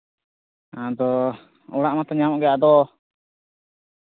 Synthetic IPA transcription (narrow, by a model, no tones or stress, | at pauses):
ad̪ɔ | ɔɽaʔmat̪ɔɲamɔʔɡɛaʔd̪ɔ